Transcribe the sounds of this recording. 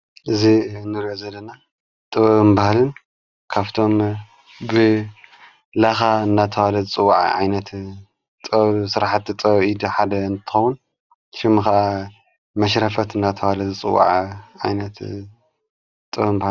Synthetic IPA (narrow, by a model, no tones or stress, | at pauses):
ʔɨzinːɨɾiʔozɐlːɐna | t̪ʼɨβɐɨnbahlɨn | kʰaβt̪ʰo̞m | bɨ | laxaɨnːat̪ʰɐwalɐzɨt͡sʼɨwːaʕ̰ʕa̰jnɐt̪ | t̪ʼsɨɾaħat̪t̪ʼɐβid̪ħad̪ɐɨnt̪ʰɨ̥xɐwun | ʃɪmɨxaʔa | mɐʃ̬ɾɐfɐt̪ɨnːat̪ʰɐwalɐzɨt͡sʼɨ̰wːa̰ʕʕajnɐt̪ | t̪ʼɨβɐmbah